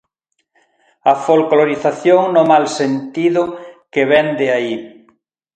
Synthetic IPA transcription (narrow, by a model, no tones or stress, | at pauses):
ɐfolkloɾiθaθjoŋnomalsent̪iðʊkeβɛnd̪eai